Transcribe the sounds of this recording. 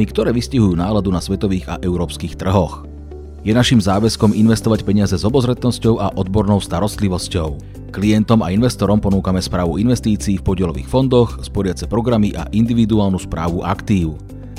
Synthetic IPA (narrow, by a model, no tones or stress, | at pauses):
ikt̪ɔɾɛːʋisciɦujuːnaːlad̪unasʋɛt̪ɔʋiːɣa̰ʔɛʊɾɔːpskiːxt̪r̩ɦɔx | jɛnaʃimzaːʋɛskɔminʋɛst̪ɔʋacpɛɲɪazɛzɔbɔzɾɛt̪nɔscɔʊʔaʔɔd̪bɔɾnɔʊst̪aɾɔst̪liʋɔscɔʊ | kliɛnt̪ɔma̰inʋɛst̪ɔɾɔmpɔnuːkamɛspɾaːʋuinʋɛst̪iːt͡siːfpɔɟɪɛlɔʋḭːxfɔnd̪ɔxspɔɾɪat͡sɛpɾɔɡɾamiʔa̰ʔind̪iʋid̪uaːlˠnuspɾa̰ːʋuʔakt̪iːʊ